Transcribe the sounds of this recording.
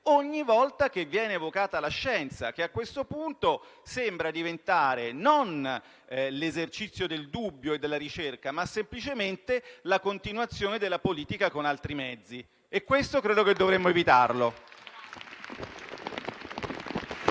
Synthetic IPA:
oɲːivɔlt̪ak̟evːjɛːneːvokaːt̪alaʃːɛnt̪sa̰k̟eakwest̪opunt̪osembɾad̪ivent̪aːɾenon | lezert͡ʃit̪sːjod̪eld̪ubːjoed̪ːelːaɾit͡ʃerkamasːemplit͡ʃement̪elakont̪inwat̪sːjoːned̪elːapoliːt̪ikakonalt̪ɾimɛd̪zːi | ekːwest̪okɾeːd̪oked̪ːovɾemːoevit̪arlo

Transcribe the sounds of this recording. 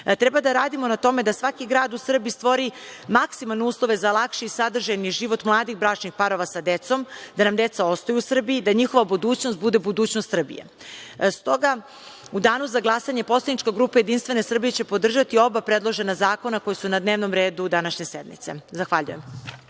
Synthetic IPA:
t̪ɾebad̪aɾaːd̪imonat̪o̞me̞d̪asʋakiɡɾaːd̪usr̩biist̪ʋo̞ɾimaksimalneuːslˠo̞ʋe̞zalˠakʃiisad̪r̩ʒajniʒiʋo̞t̪mlˠaːd̪ixbɾat͡ʃnixpaɾo̞ʋasad̪e̞t̪so̞md̪̥anamd̪e̞t̪sao̞st̪ojuusr̩biid̪aɲixo̞ʋabud̪uːt͡ɕnost̪bud̪e̞bud̪uːt͡ɕnost̪sr̩bḭjḛ | st̪o̞ɡa | ud̪aːnuzaɡlˠasaɲe̞po̞slˠad̪nit͡ʃkaɡɾuːpaje̞d̪inst̪ʋe̞nesr̩bijet͡ɕe̞pod̪r̩ʒat̪io̞bapɾe̞d̪lˠo̞ʒe̞nazaːko̞nako̞jesunad̪ne̞ːʋnomɾe̞ːd̪ud̪anaʃɲe̞sed̪mḭt̪sezaxʋaʎṵje̞m

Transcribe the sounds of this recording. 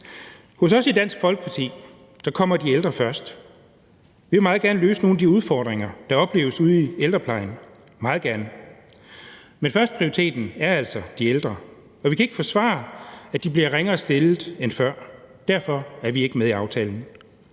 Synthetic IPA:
hɔ̽sɒ̽sid̥æn̰sɡ̥fɒ̽lɡ̥ə̥pʰɑ̈t͡sʰḭː | d̥ɑkʰɒ̽m̰ɐd̥ield̥ʁɐfɶɐsd̥ | ʋiʋe̝mɑ̈ːð̩ˠɡæɐnəlø̰ːsəno̝ːnæd̥iuð̞ˠfɒ̰ːd̥ʁeŋɐd̥ɑ̈ɒ̽b̥le̝ːʊəsuð̞̩ˠield̥ʁɐpʰlɑ̈ɪn | mɑ̈ːð̞̩ˠɡ̥æɐnə | menfɶɐsd̥̚pʰʁioʁit͡sʰe̝̰ːd̥n̩æɐæl̰sɒd̥ield̥ʁɐ | ɒ̽ʋikʰæe̝ɡ̥ə̥fɒ̽sʋɑ̰̈ːæ̥ib̥liɐʁeŋɐːsd̥e̝lð̩ˠenfɶɐ̰d̥æɐ̰fɒ̽æɐʋie̝ɡ̥əmeðˠiɑ̈ʊt͡sʰɛːln̩

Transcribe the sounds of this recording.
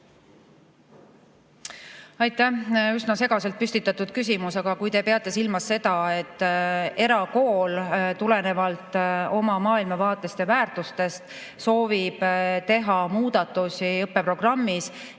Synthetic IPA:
ɑjt̪ːˑæysnɑse̞ɡ̥ɑse̞lt̪̚pyst̪it̪ːˑɑt̪ːˑud̪̥kys̬ʲimusɑɡ̥ɑkujt̪e̞pe̞ɑt̪ːˑesilmɑsːe̞d̪̥ɑe̞t̪ːe̞ɾɑko̞ːlt̪ule̞ne̞vɑlt̪ˑo̞mɑmɑːilmɑvɑːt̪ˑːe̞st̪evæːrt̪ust̪e̞st̪ | so̞ːvib̥t̪e̞ɦɑmuːd̪̥ɑt̪ːˑusiɤpːe̞pro̞ɡ̥rɑmːis

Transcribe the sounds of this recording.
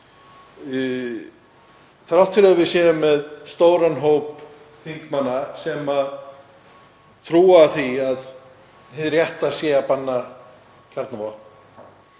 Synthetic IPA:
θɾawht̪fɪlɾɛvɪðsjɛːʏmɛðst̪oːwɾanɦowp | θiŋkmanːasɛma | t̪ʰɾuːaθiað | hɪðrjɛht̪asjɛapanːa | cʰaɾt̪navɔhpn

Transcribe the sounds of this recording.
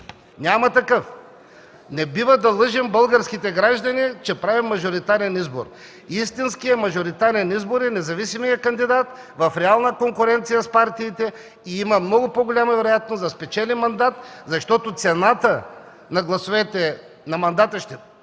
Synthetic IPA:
nʲamɐt̪ɐkɤf | nɛbivɐd̪ɐlˠɤʒɛmbɤlˠɡɐɾskit̪ɛɡɾaʒd̪ɐnit͡ʃɛpɾavimːɐʒoɾit̪aɾɛnizbo̰ɾ | ist̪inskijɛmɐʒoɾit̪aɾɛnizboɾɛnɛzɐvisimijɐkɐnd̪id̪at̪ | vɐfɾɛalˠnəkoŋkʊɾɛnt̪sijɐspaɾt̪iːt̪ɛ | iimɐmnɔɡʊpoɡolʲamɐvɛɾojat̪̚noszɐspɛt͡ʃɛlɛnmɐnd̪at̪zɐʃt̪ɔt̪ot̪sɛnat̪ə | nɐɡlˠɐsovɛt̪ɛ | nɐmɐnd̪at̪əʃt̪ɛ

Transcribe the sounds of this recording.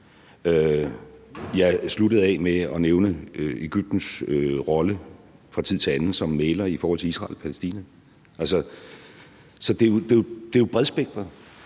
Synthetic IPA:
ø | jɑ̈ɪsluɾ̥əð̞̩ˠɛmeɒ̽neʊnəøeɡ̥yb̥̚d̥n̩søʁɒ̽lə | fʁɑ̈t͡sʰið̰ˠt͡sʰe̝ænn̩ˠsɒ̽mːeːlɐifɒːhɒ̽lt͡sʰe̝isʁɑ̈ːlpʰælesd̥ḭːnæ | ʔælsə | sɒ̽d̥e̝od̥e̝d̥e̝ob̥ʁɛðˠsb̥eɡ̥̚d̥ʁɐ

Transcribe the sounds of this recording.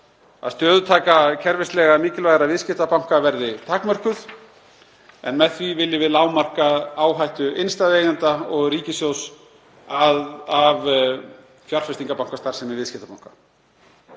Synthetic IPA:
a̰ðst̪œːðʏt̪ʰaːkacʰɛɾvɪst̪lɛɣamiːcɪlvajɣɾavɪðscɪht̪apawŋ̥kavɛɾðɪt̪ʰaːkmœr̥kʏθ | ɛ̰nmɛðθvivɪlːɪvɪðlaːwmar̥kaaːwɦajht̪ʏejnst̪aːðejðant̪aɔɣriːcɪsjows | aav | fjar̥fɛst̪iŋkapawŋ̥kast̪aɾ̥sɛmɪvɪðscɪht̪apawŋ̥kḁ

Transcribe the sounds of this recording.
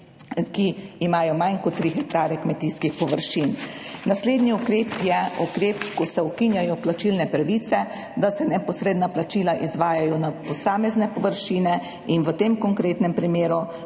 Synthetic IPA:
kiːmaːjɔmajnkɔt̪ːɾixɛkt̪aːɾɛkmɛt̪iːskixpɔʋəɾʃiːnnasleːd̪niukɾeːpjɛukɾeːpkɔsɛukinjajɔplat͡ʃilnɛpɾaʋiːt̪sɛ | d̪asɛnɛpɔsɾeːd̪naplat͡ʃiːlaʔizʋaːjajɔnapɔsaːmɛznɛpɔʋəɾʃiːnɛ | inʋət̪eːmkɔŋkɾeːt̪nɛmpɾimeːɾu

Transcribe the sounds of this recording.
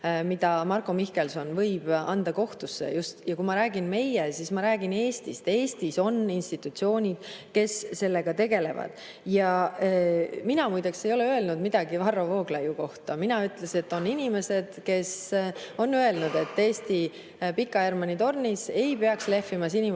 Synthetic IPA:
mid̪̥ɑmɑrkomihke̞lso̞nvɤ̞jb̥ɑ̰nd̪̥ɑko̞ht̪usːḛjust̪jɑkumɑɾæːɡ̥inme̞jːesismɑɾæːɡ̥ine̞ːst̪ist̪e̞ːst̪iso̞ninst̪it̪ːut̪sio̞ːnʲid̪̥ke̞sːe̞lːe̞ɡ̥ɑt̪e̞ɡe̞le̞vɑ̰d̪̥ | jɑeminɑmujd̪ɑkse̞jo̞leøelnud̪mid̪̥ɑɡivɑrːo̞vo̞ːɡlɑjuko̞ht̪ɑminɑyt̪ːˑle̞se̞t̪ːo̞nːinʲime̞se̞d̪̥ke̞so̞nːye̞lnud̪̥e̞t̪ːe̞ːst̪i | pikːˑɑermɑnit̪o̞rnise̞jpeɑksle̞fimɑsinʲi

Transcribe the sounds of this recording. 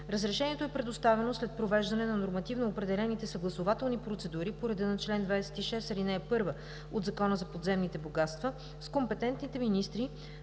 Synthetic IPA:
ɾəzɾɛʃɛniɛt̪oɛpɾɛd̪ost̪avɛnoslɛt̪̚pɾovɛʒd̪ɐnɛnɐnoɾmɐt̪ivnoːpɾɛd̪ɛlɛnit̪ɛsəɡlˠɐsovat̪ɛlˠnipɾot̪sɛd̪uɾipoɾɛd̪ɛnət͡ʃlɛnd̪vajsɛ̥t̪iʃɛst̪ɐɾinɛpɤɾvə | od̪zɐkɔnəzɐpod̪zɛmnit̪ɛboɡat̪st̪və | skompɛt̪ɛnt̪nit̪ɛminist̪ɾi

